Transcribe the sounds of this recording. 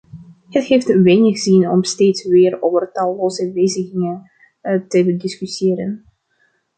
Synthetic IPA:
ɦəthejftʋejnɪχz̥inɔ̰msteːtsʋɪːroːvərtɑlˠlowzəʋejzəɣɪŋən | təbədɪskysjeːɾə̰n

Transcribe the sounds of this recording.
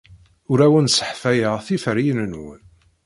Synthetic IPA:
ʊɾæwənsə̥ħfæjəʁθifəɾijnənwə̰n

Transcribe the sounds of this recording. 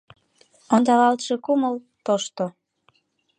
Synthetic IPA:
ond̪ɑlɑlt̪ʃekuməlt̪oʃt̪o

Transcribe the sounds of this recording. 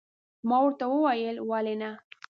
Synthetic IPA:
mɑwəɾt̪awəwajəlwalena

